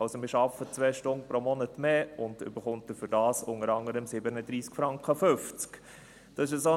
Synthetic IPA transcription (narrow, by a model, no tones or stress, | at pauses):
ɑlsomɪːɾʃɑfət͡sʋɛːʃtʊŋpɾomɔnətmeːʊndʏ̰bəχʊntəfʏdɑːsʊŋəɾɑŋəɾəmsɪbənədɾiːskfɾɑŋkχəfʏft͡sk | d̥ɑsɪʃəso